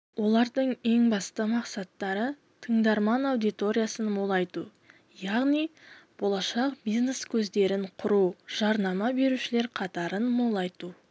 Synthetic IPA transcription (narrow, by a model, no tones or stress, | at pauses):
wo̞lˠɑɾd̪əɴe̞ŋbɑst̪əmɑqsɑt̪ːɑɾə | t̪ʰəɴd̪ɑɾmɑnɑwd̪ijt̪o̞ɾʲijasənmolˠɑjt̪ṵ | jɑʁnijb̥o̞lˠɑʃɑqbijzneskʲʰɵzd̪e̞ɾɪɴqʰʊɾuʒ̥ɑɾnɑmɑbe̞ɾuʃɪle̞ɾqʰɑt̪ɑɾənmolˠɑjt̪u